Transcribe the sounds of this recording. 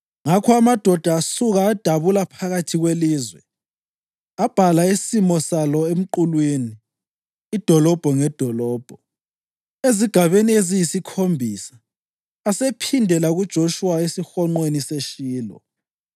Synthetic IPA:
ŋakʰɔamad̥ʱɔd̥ʱaːsuɣaːd̥ʱaβulapʰaɣatʰiɣweliːzwɛ | ab̥ʱalaisimɔsalɔem̩ǃulwiniː | d̥ʱɔlɔb̥ʱɔŋɛd̥ʱɔlɔːb̥ʱɔ | eziɡ̥ʱaβeniezijisikʰombʱisḁː | sepʰindʱɛlaɣud̥ʒ̥ʱoʃuwaesixɔŋ͡ǃweniseʃiːlɔ̰

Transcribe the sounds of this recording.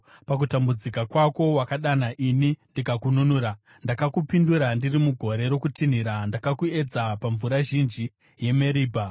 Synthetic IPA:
pak̬utambud͡zikakwako̞wakaɗanaʔinindikakununuɾa | ndakakupinduɾandirimuɡʱo̞ɾe̞ɾo̞kutin̤iɾandakakue̞d͡zapaɱvuɾaʒind͡ʒi | je̞meɾiːbʱa

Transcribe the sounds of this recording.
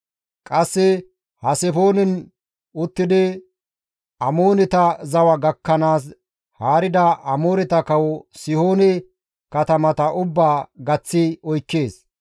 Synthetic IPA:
kʼɐsːɪ | hɐsɛfo̞ːnɪn | ʊt̪ːɪd̪ɪ | ʔɐmoːnɪt̪ɐzɐwɐɡɐkːɐnaːs̬ | haːɾɪd̪ɐɐmoːɾɪt̪ɐkɐwɔsɪho̞ːnɛ | kɐt̪ɐmɐt̪ɐʔʊbːaːɡɐt͡sːɪɔjkːeːs

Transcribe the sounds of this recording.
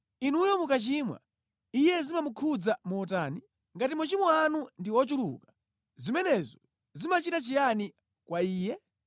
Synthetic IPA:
inujɔmukat͡ʃimwa̰ | ijɛzimamukʰud͡zamɔːtaːni | ŋɡatimat͡ʃimɔanundiɔt͡ʃulṵkḁ | zimɛnɛzɔ | zimat͡ʃitat͡ʃijani | kwaiːjɛ

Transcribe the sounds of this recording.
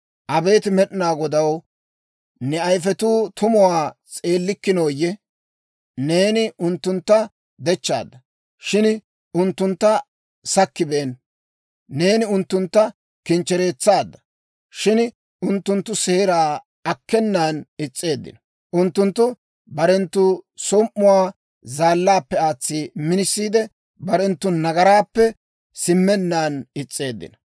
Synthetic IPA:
ʔɐbe̞ːt̪ɪmɛɗnaːɡɔd̪ɐw | nɛɐjfɛt̪uːt̪ʰʊmʊwaːt͡sʼe̞ːlːɪkːɪnoːjːɛ | ne̞ːnɪʊnt̪ːʊnt̪ːɐ | d̪ɛt͡ʃːa̰ːd̪ːɐ | ʃɪn | ʊnt̪ːʊnt̪ːɐ | sɐkːɪbeːnː | e̞ːnɪʊnt̪ːʊnt̪ːɐ | kɪnt͡ʃːɛɾe̞ːt͡sːaːd̪ːɐ̥ | ʃɪn | ʊnt̪ːʊnt̪ːʊseːɾaː | ɐkːɛnːaːnɪt͡sʼːe̞ːd̪ːɪ̰nɐ | ʔʊnt̪ːʊnt̪ːʊ | bɐɾɛnt̪ːʊsɔmʔːʊwaː | zaːlːaːpːɛaːt͡sːimɪnɪsːiːd̪ɛ | bɐɾɛnt̪ːʊnɐɡɐɾaːpːɛ | sɪmːɛnːaːnɪt͡sʼːe̞ːd̪ːɪ̰nɐ̥

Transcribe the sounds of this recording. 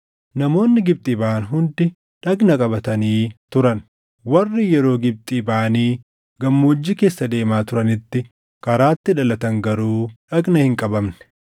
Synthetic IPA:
nɐmo̞ːnːɪɡɪb̚t̪ʼiːbɐʔɐnɦʊnd̪ɪ | ᶑɐɡnɐkʼɐbɐt̪ɐniːt̪ʊɾɐn | wɐrːɪjɛɾo̞ːɡɪb̚t̪ʼiːbɐʔɐniː | ɡɐmːoːd͡ʒːɪke̞ːsːɐd̪e̞ːmaːt̪ʊɾɐnɪt̪ːɪ | kɐɾaːt̪ːɪᶑɐlɐt̪ɐŋɡɐɾuːᶑɐɡnɐhɪŋkʼɐbɐmnɛ̥

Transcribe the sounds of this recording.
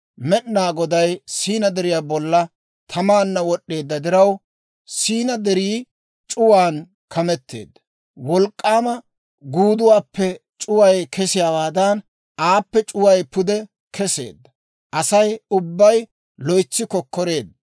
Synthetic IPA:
mɛɗnaːɡɔd̪ɐjsiːnɐd̪ɛɾɪjaːbɔlːɐ | t̪ʰɐmaːnːɐwɔɗːe̞ːd̪ːɐd̪ɪɾɐw | siːnɐd̪ɛɾiː | t͡ʃʼʊwaːn | kʰɐmɛt̪ːe̞̰ːd̪ːɐ̥ | wɔlkʼːaːmɐ | ɡuːd̪ʊwaːpːɛ | t͡ʃʼʊwɐjkʰɛsɪjaːwaːd̪ɐn | ʔaːpːɛt͡ʃʼʊwɐjpʊd̪ɛ | kʰɛse̞̰ːd̪ːɐ | ʔɐsɐjʊbːɐj | lɔjt͡sːɪkɔkːɔɾe̞ːd̪ːɐ

